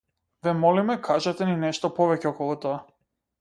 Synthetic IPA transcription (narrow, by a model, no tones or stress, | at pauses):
vɛmɔlimɛkʰaʒat̪ɛninɛʃt̪ɔpɔvɛcɛɔkɔlˠɔt̪ɔa